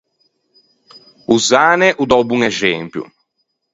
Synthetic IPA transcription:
uzaːnɛʔud̪ɔwbuŋɛzɛmpjṵ

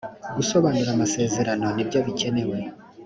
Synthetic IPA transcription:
ɡ̥uso̞βaːnuɾamase̞ːze̞ɾano̞nibɟaːβice̞ne̞we̞

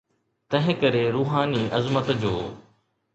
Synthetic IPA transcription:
t̪ɐ̃ɦɪ̃kəɾeːɾuːɦaːniːʔɐzmət̪d͡ʑoː

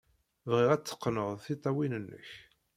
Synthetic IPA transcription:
vʁɪʁæt͡sːə̥qːnəðˤθit̪ˤːɑwinənːə̰ç

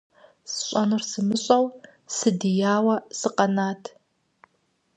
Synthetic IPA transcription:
sɕʷʼanɨrsɨmɨɕʷʼal | sɨdijaːwasɨqʼanatʰ

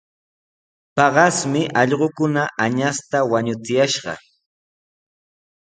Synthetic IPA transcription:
pɑɢɑsmɪʔɑʎɢokʊnaʔaɲast̪awaɲʊt͡sɪjaʃɢɑ̰

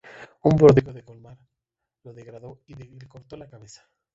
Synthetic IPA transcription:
umbo̞ɾðiɣoðe̞ko̞lmaɾ | lo̞ðe̞ɣɾaðo̞iðeeko̞ɾt̪o̞lakaβesḁ

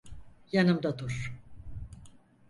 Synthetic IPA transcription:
janɯmd̪ad̪uɾ

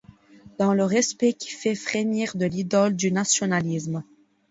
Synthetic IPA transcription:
d̪̥ɑ̃ləʁɛspɛkʲʰi̥fɛfχeniʁd̪əlid̪ɔld̪ynasjɔnalizm

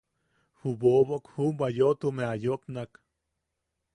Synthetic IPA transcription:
huboβokhumbajot̪umeajopnak

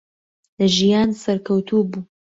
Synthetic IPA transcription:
lɐʒijaːnsɐɾkʰɐwt̪ʰubuː

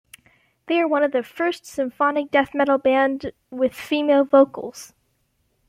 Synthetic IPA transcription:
ðeɪə˞wʌ̃nʌvðɨfɜ˞stsɨ̃ɱfɑnɨk̚d̥ɛθmɛɾl̩ˠbæ̃nd | wɪð̥fimeɪlˠvoʊkl̩ˠz̥

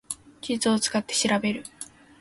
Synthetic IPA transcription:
kʲit͡sɨot͡sɨ̥kat̪ːe̞ɕiɾabe̞ɾɯ̟

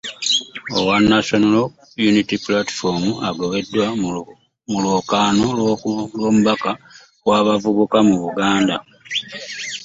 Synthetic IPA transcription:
owanːaʃonolo | junitipulati̥fomuaɡo̞βe̞dːwa | muloːkaːno̞llwo̞ːmuβaka | waːβavuβukamuβuɡaːnda̰

